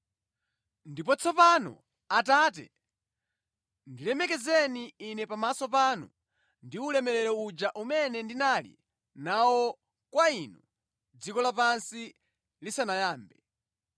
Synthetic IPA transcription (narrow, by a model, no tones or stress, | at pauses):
ndip̬ɔt͡sʰɔpanɔ̰ | ataːt̬ɛ̰ | ndilɛmɛkɛzɛniːnɛpamasɔp̬anṵ | ndiulɛmɛɾɛɾɔud͡ʒaʔumɛnɛndinalḭ | nawɔ | kwainu | d͡zikɔlapansi | lisanajaːmbɛ